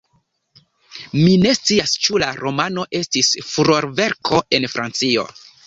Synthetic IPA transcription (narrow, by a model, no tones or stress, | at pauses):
mine̞st͡siast͡ʃulaɾo̞mano̞ʔe̞stisfuɾo̞ɾve̞ɾkʰo̞ʔe̞nfɾʔa̰nt͡sio̞̰